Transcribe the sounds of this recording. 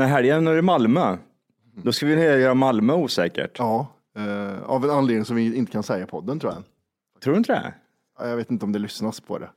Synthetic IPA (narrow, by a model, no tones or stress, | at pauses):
næɾɦæɾjɛnoɾɪmalmøː | d̪ɔskavɪneːjœːɾamalmœːuːsɛːkə̰ʈjɑː | a̰vɛnanleːd̪nɪŋsɔmvɪɪnt̪ə̥kʰansɛjːapʰɔd̪ːənt̪ʰɾuːjadɛn | t̪ʰɾuːɖɵɪnt̪əd̪ɛ̰ | a̰ːjɑɡveːt̪ɪnt̪əɔmd̪ɛlʏsnaspʰɔ̰d̪ɛ̰